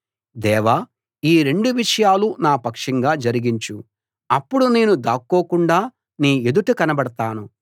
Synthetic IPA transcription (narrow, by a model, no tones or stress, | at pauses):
d̪ɛːʋa | iːɾe̞ɳɖuʋiʂɐjaːlunaːpɐkʂɐŋɡaːd͡ʒɐɾiɡiɲt͡ʃu | ɐpːuɽune̞ːnud̪aːkːoːkuɳɖaː | niːed̪uʈukɐnɐbɐɽɐt̪aːnu